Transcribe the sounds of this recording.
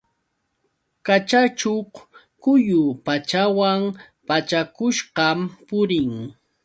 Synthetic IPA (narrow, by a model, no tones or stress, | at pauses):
kat͡ʃat͡ʃoχ | kʊjʊpat͡ʃawam | pat͡ʃakʊʃɢɑmpʊɾɪŋ